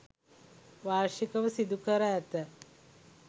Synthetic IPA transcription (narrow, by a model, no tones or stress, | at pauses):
ʋaːɾʃikəʋəsid̪ukəɾaæt̪ə